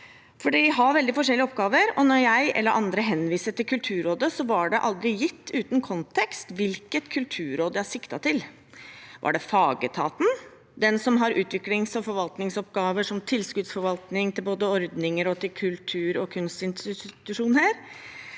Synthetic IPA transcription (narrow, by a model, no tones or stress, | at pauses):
fɔɖiɦɑɾʋɛld̪ɪfɔʂɛlːɪɔpɡɑːʋəɾɔnɔɾjæɪʔɛ̰lːəɾʔɑ̰nd̪ɾəɦɛnːʋiːsəʈɪlkʰʉlt̪ʰʉːɾoːd̪əsɔʋɑɖɛʔɑld̪ɾɪjɪt̪ʰːʉːt̪n̩kʰɔnt̪ʰɛkst̪ʋɪlkət̪kʰʉlt̪ʰʉːɾoːd̪əjæhɑʂɪkt̪ɑt̪ʰɪl | ʋʔɑ̰ɖɛfɑːɡət̪ʰɑ̰ːt̪n̩ | d̪ɛnsɔmɦɑɾʉːt̪ʰʋɪklɪŋsɔfɔɾʋɑlt̪nɪŋsɔpɡɑːʋəʂɔmt̪ʰɪlːskʉːd̪sfɔɾʋɑlt̪nɪŋt̪ʰɪlboːd̪əɔɾd̪nɪŋəɾɔt̪ʰɪlkʰʉlt̪ʰʉːɾɔkʰʉnst̪ɪnsɪt̪ʉʂuːnhæːɾ